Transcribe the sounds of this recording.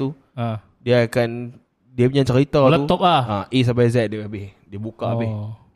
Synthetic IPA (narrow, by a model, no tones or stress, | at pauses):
t̪u | a | diaːkan | diapuɲãt͡ʃəɾit̪atləuɔplaaʔis̬ambazɛdabɪhdiabukaʔabɪh